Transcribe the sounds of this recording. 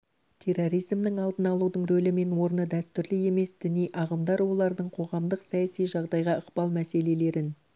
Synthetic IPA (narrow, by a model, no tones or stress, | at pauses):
t̪ʰe̞rːo̞ɾijzmd̪əɴɑlˠd̪ənɑlˠud̪əɴɾɵlɪme̞nwo̞ɾənəd̪æst̪ʏɾlɪe̞me̞sd̪ɪnijʔɑʁəmd̪ɑɾwo̞lˠɑɾd̪əɴqʰo̞ʁɑmd̪əqsɑjæsijʒɑʁd̪ɑjʁɑəqpɑlˠmæse̞le̞le̞ɾɪn